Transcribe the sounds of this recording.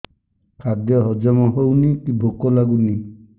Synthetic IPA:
kʰad̪jɔɦɔd͡ʒɔmɔɦownikibʱokɔlaɡuni

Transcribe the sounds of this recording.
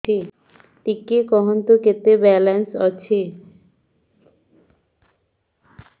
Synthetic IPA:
e | ʈikːekɔɦont̪oket̪ebɛlensɔ̰t͡ɕʰe

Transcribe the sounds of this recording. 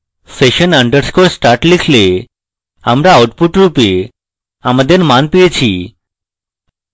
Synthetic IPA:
seʃənəɳɖəɾskoɾsʈaɾʈlikʰle | amɾaawʈpuʈɾupe | amad̪eɾmanpijet͡ɕʰḭ

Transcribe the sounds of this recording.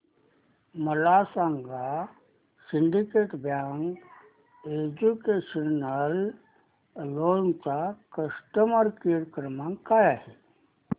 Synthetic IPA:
məlasaːŋɡa | siɳɖikeːʈbjaːŋɡ | ed͡ʒukeːʃənəl | lont͡ʃakəsʈəməɾkiɾkɾəmãŋkajaɦi

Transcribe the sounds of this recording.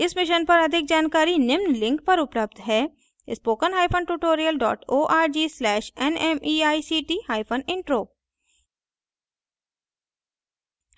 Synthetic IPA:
ɪsmɪʃənpɐɾɐd̪ʱɪk̚d͡ʒaːnkaːɾinɪmnlɪ̃ŋk̚pɐɾʊpləb̚d̪ɦɛː | spoːkənɦaːjpʰənʈuːʈoːɾijəlɖɔ̰ːʈoːʔaːɾd͡ʒiːslɛːʃɛnɛmiːaːisiːʈiːhaːɪpʰənɪ̃ɳʈɾoː

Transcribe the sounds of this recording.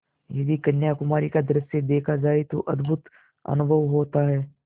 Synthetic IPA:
jɐd̪ikɐnjakʊmaːɾikad̪ɐɾəsed̪eːkʰad͡ʒaːet̪oʔɐ̰d̪bʱʊt̪ | ɐ̰nʊbʱəʋɦoːt̪aɦɛː

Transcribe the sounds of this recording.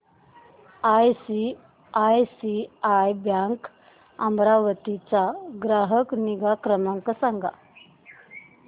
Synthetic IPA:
ajsi | ajsiajbjaŋk | a̰mɾaʋət̪it͡saɡɾaɦəkniɡakɾəmaŋkəsaŋɡʱa̰

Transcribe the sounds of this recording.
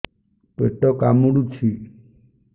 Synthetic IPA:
peʈɔkamuɽut͡ʃʰi

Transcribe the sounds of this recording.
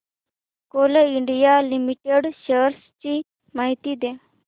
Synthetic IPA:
koləiɳɖijalimiʈeɽɕəɾst͡ɕi | maɦit̪id̪e

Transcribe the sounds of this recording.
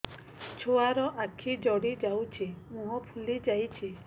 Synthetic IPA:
t͡ʃʰoaɾɔʔakʰid͡ʒɔɽid͡ʒawt͡ʃʰimũɦɔpʰulid͡ʒajt͡ʃʰi

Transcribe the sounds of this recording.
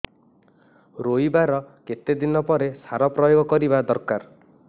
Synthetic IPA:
ɾojbaɾɔket̪ed̪inɔpɔɾesaɾɔpɾɔjoɡɔkɔɾibad̪ɔɾkaɾ

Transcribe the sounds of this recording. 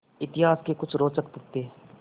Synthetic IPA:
ɪt̪ɪɦaːskekʊt͡ʃʰɾoːt͡ʃəkp̪ʊk̚t̪eː

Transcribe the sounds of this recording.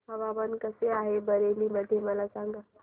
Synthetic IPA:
ɦəʋaʋənkəseaɦebəɾeliməd̪ʱːjeməlasãŋɡa

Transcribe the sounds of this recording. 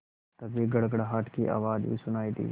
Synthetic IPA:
t̪ɐbʱiɡɐɽɡəɽɦaːʈkiʔa̰ːʋaːd͡ʒbḭːsʊnaːid̪ḭː

